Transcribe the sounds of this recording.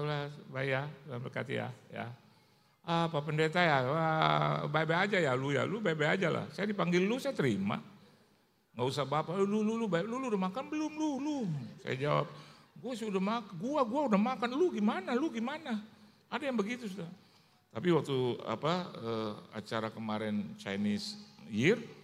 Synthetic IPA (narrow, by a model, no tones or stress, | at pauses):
labaiaabəka̰t̪ḭja̰ja̰ | apapəndet̪ajaabajbajad͡ʒajaluja̰lubajbajad͡ʒala̰hsajadipaŋɡɪlːusajat̪əɾima̰ | ŋɡausabapalulululubaluluudahmakanbəlʊmlulumsa̰ja̰d͡ʒawa̰p̚ɡuasiudahmakaɡuaɡuaudahmakanluɡimanaluɡimana | adajaŋbəɡit̪usuda | t̪apiwak̚t̪ua̰paəa̰t͡ʃaɾakəmaɾɛnt͡ʃa̰jnɪsjɪr